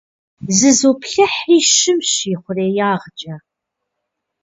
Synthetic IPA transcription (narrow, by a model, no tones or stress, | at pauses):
zɨzoːpɬɐħiːʃɪmɕiːχʷʊreːjaːʁt͡ʃʼɐ